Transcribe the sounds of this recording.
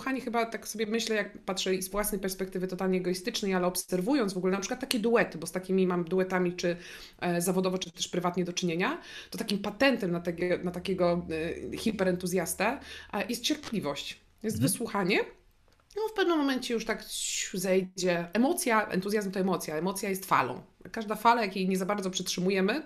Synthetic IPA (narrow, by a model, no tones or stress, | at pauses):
xaɲɛxɘbat̪aksɔbʲjɛmɘɕlɛjak̚patʂɛzvwasnɛjpɛɾspɛkt̪ɘvɘt̪ɔt̪alɲiɛɛɡɔjist̪ɘt͡ʂnɛjalɛɔpsɛɾvujɔnt̪vɔɡulɛnapʂɘkwat̪ːakʲɛd̪uɛt̪ɘbɔst̪akʲimʲimamd̪uɛt̪amʲit͡ʂɘ | zavɔd̪ɔvɔt͡ʂɨt̪ɔt̪ɛʂpɾɘvat̪ɲɛd̪ɔt͡ʂɘɲeɲat̪ɔt̪akʲimpat̪ɛnt̪ɛmnat̪ɛɡʲɛnat̪akʲeɡɔxʲipɛɾɛnt̪uzʲjast̪ɛjɛst̪t͡ɕɛɾplʲivɔɕt͡ɕ | jɛst̪vɘswuxaɲɛ | nɔfpɛvnɨmːɔmɛɲt͡ɕɛjuʂt̪akɕuzɛjd͡ʑɛɛmɔt̪sʲjaʔɛ̰nt̪uzʲjazmt̪ɔɛmɔt̪sʲjaɛmɔt̪sʲjajɛst̪fa̰lɔ̰̃w̃kaʐd̪afalajakʲejɲɛzabaɾd̪zɔpʂɛtʂɘmujɛmɘ